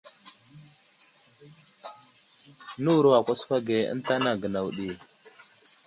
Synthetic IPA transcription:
nu˦˨ɾo˦wa˨kʷa˦sfa˦ɡe˨ə̰˦n˦ta˦na˨ɡə˨na˨wu˨ɗi˨

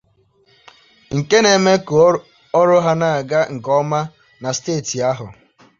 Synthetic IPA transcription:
ŋ̩˨ke˦ne˨me˦ko˨ | ɔ˦ɾʊ˦ɦa˦na˨a˨ɡa˦ŋ̩˨kɔ˦ma˦ | na˨steː˦˨ti˨a˦ɦʊ˨

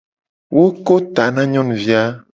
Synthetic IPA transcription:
wʔo˦ko˦t̪a˨nã˦ɲɔ̃˦ñ˨vi˦a˦

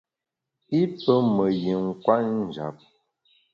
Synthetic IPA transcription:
i˦pə˦mə˨ji˨ŋ̩˨kwa˦n̩˨d͡ʒa̰˨p̚

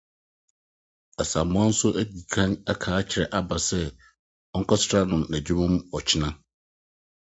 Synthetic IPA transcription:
a˨sã˨mː˦ã˦n̩˦sʊ˦ʔæ˦di˨kʰã˦nɛ˦kʰaː˨˦t͡ɕʰɪ˨ɾɛ˨ʔa˦ba˨sɛ˦ | ɔ˦ŋ̩˦kʰɔ˦sʊ̥˦tʰɾa˦nʊ̃˨mnæ˨d͡ʑi˦mʊ̃˦mɔ˨t͡ɕʰɪ˦nã˦

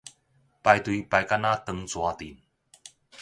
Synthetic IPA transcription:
pa˨˧jt̪wi˨˧pa˨˧˩jka˥˧na˦t̪ə˧ŋt͡swa˧t̪ḭ˨˩˦n

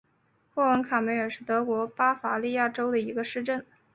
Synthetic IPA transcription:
xwɔ˥˩ə˧˥ŋkʰa˨˩me˧˥ɪə˞˨˩ʂɻ̩˥˩t̪ɤ˧˥kwɔ˧˥pa˥fa˨˧˩li˥˧ja˥˩ʈ͡ʂo˥ʊd̪ə˨i˧˥ɡə˧ʂɻ̩˥˧ʈ͡ʂə˥˩n

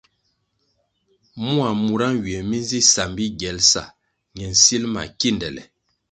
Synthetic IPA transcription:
mu˦a˨mu˨ɾa˦nɥi˨ɛ˨mi˦n˦zi˦sa˨mbi˦ɡɛ˨˦lsa̰˨ | ɲɛ˨n̩˨si˦lma̰˨ki˦˨ndɛ˨lɛ̰˨

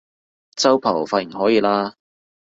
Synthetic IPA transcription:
t͡sɐ˥wpʰɐ˨˩wfaː˧t̚jɪ˨˩ŋɦɔː˨˥jiː˨˧laː˥

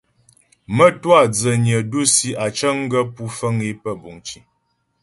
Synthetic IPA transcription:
mə˦twa˦˨d͡zə˨ɲə˨du˦si˦a˨t͡ʃə˦ŋ˦ɡə˦pu˦fə˦ŋi˦pə˦bu˨ŋt͡ʃi˨

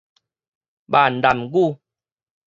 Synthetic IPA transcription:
ɓa˨n̩˨da˨mɡu˦

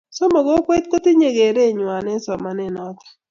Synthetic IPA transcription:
sɔ˦mɔ˨ɡɔ˦kwe˦t̪̚ko˦t̪ɪ˦ɲe˨ɡe˨ɾe˦˨ɲwa˨nɛ˦sɔ˨ma˨nɛ˦nɔ˦t̪ɔ̥˨

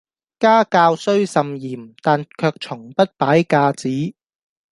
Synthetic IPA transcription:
kaː˥kaː˧wsɵ˥ɥsɐ˨mjiː˨˩mt̪aː˨nkʰœː˧k̚t͡sʰʊ˨˩ŋpɐ˥t̚paː˨˥jkaː˧t͡siː˨˥

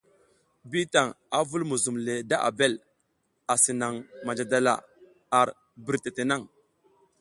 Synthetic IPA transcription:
bi˦ta˨ŋ | a˨vu˦lmu˨zu˨mle˨da˦ʔa̰˨be˦l | a˨si˨na˨ŋma˨nd͡ʒa˨da˦la̰˨ | a˨ɾ | bi˨ɾte˨te˨na˦˨ŋ

